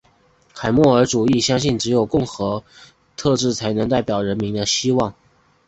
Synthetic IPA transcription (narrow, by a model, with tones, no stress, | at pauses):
kʰa˨˩ɪmwɔ˥˩ə˞˧˥ʈ͡ʂu˨˩i˥˩ɕjɑ˥ŋɕi˥˩nʈ͡ʂɻ̩˧˥jo˨˩ʊkʊ˥˩ŋxɤ˧˥ | t̪ʰɤ˥˧ʈ͡ʂɻ̩˥˩t͡sʰa˧˥ɪnɤ˧˥ŋt̪a˥˩ɪpjɑ˨˩ʊɻə˧˥nmi˧˥ŋd̪ə˧ɕi˥wɑ˥˩ŋ